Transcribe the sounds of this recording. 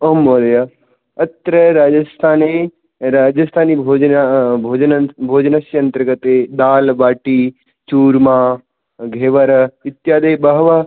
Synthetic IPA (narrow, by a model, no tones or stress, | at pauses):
ɐmːoːlɐja | ɐt̪ɾəɾaːd͡ʒɐst̪ʰaːne | ɾaːd͡ʒɐst̪ʰaːnibʱoːd͡ʒabʱoːd͡ʒnbʱoːd͡ʒnɐsjɐnt̪əɾɡɐt̪ed̪aːlbaːʈi | t͡ʃuːɾmaː | ɡʱeːʋɐɾɐɪt̪jaːd̪ɐjbɐɦʋaː